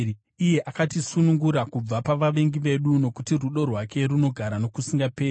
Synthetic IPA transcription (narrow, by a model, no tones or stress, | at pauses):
ije̞ʔakatisunuŋɡuɾakub͡vapaʋaʋe̞ŋɡiʋe̞ɗuno̞kutiruɗo̞rwake̞ɾuno̞ɡʱaɾano̞kusiŋɡapeː